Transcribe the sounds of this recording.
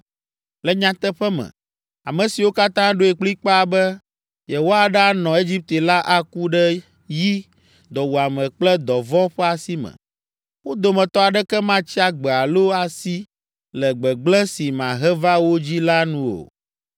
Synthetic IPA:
lɛ˦ɲã˨t̪ɛ˦ɸɛ˦mɛ̰˨ | a˨mɛ̃˨si˨wo˦ka˦t̪ã˦ɖo˦e˨k͡pli˦k͡pa˦a˨bɛ˦ | jɛ˨wo˦a˨ɖa˦nɔ̃˨e˦d͡ʑi˦p̚t̪e˨la˦ʔa˦ku˦ɖɛ˦ | ji˦ | d̪ɔ˨wo˨a˨mɛ̃˨k͡plɛ˦d̪ɔ˨vɔ˦ɸɛ˦a˨si˦mɛ̰̃˨ | wo˦d̪o˨mɛ̃˨t̪ɔ˦a˨ɖɛ˦kɛ˦mã˦t͡ɕi˦a˦ɡ͡bɛ˨a˨lo˦a˨si˦ | lɛ˨ɡ͡bɛ˨ɡ͡blɛ˦si˨mã̰˨ɦɛ˦va˦wo˦d͡ʑi˦la˦nũ˦o̰˨

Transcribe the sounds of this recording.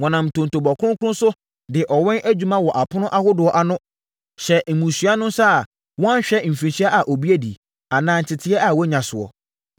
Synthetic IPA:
wɔ̃˨nã˨m̩˨tʰõ˨n˨tʰo˨bɔ˨kʰʊ˦ʊ̃˦ŋ˦kʰʊ˦ʊ̃˦sʊ˦ | dɪ˨ʔɔ˨wɛ̃˦nʔæ˦d͡ʑᶣu˦mã˦wɔ˨ʔa˨pʰʊ˦nʊ̃˦ʔa˦hʊ˦dʊ˨ɔ˨ʔa˨nʊ̃˦ | ɕɛ˨m̩˨mũ˨sɥa˦nʊ̃˦sa˦˨ | wɔ̃˦ã˦ɕᶣɛ˦˨m̩˨fĩ˨ɕi˦a˦ʔa˨ʔo˨bi˦æ˦dḭ˨ | a˨nãː˦n̩˨tʰɪ˨tʰɪ˦ɛ˦a˨wɔ˦ɲã˨sʊ˨ɔ̰˨

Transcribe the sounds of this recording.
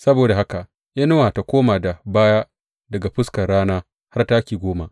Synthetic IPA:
sɐ˦boː˨da˨ɦa˦ka˨ʔ | jaː˦no˦wa˨ta˨kʷoː˦maː˨da˨baː˦jaː˦ | dɐ˨ɡa˨ɸɪ˦skɐ˨ɽaː˦naː˦ | ha˦rta˦kʲiː˨ɡʷoː˦ma˦ʔ

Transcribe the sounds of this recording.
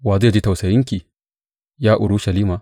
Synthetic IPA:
waː˨zeː˦˨d͡ʒiː˦ta˨wsɐ˨jɪ˦ŋkʲiː˨ | jaː˦ʔʊ˨ɽu˦ʃɐ˨liː˦ma˨

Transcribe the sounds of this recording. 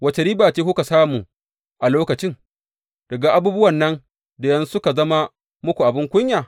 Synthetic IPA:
wɐ˨˦t͡ʃe˨ɾiː˦baː˨t͡ʃeː˦kʷʊ˦ka˨saː˦muː˨ | ʔa˨loː˦kɐ˨t͡ʃɪ˦ŋ | d̥ɐ˨ɡa˨ʔa˦buː˦bʊ˦wɐ˨nːɐ˦n | da˨jɐ˦nsʊ˦ka˨zɐ˦ma˦ | mʊ˦kʷu˨ʔa˨bɪ˦ŋkʷʊ˦ɲjaː˨

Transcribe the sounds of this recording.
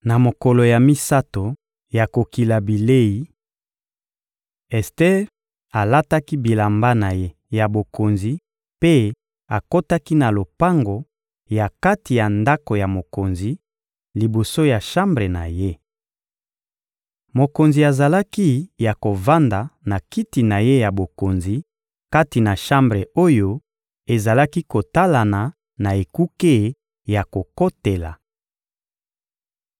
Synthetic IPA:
na˨mo˨ko˨lo˨ja˨mi˦sa˦to˨ | ja˨ko˨ki˨la˨bi˨le˦i˨ | ɛ˨stɛ˦ʁ | a˨la˦ta˦ki˦bi˨la˨mba˦na˨je˦ | ja˨bo˨ko˨nzi˨ | pe˦ | a˨ko˦ta˦ki˦na˨lo˨pa˦ŋɡo˨ | ja˨ka˦ti˨ja˨nda˦ko˨ja˨mo˨ko˨nzi˨ | li˨bo˨so˦ja˨ʃa˦mbʁe˨na̰˨je˦ | mo˨ko˨nzi˨a˨za˨la˦ki˦ja˨ko˨va˦nda˨na˨ki˦ti˨na˨je˦ja˨bo˨ko˨nzi˨ | ka˦ti˨na˨ʃa˦mbʁe˨o˦jo˦ | e˨za˨la˦ki˦ko˨ta˦la˨na˨ | na˨e˨ku˦ke˦ | ja˨ko˨ko˦te˨la̰˨

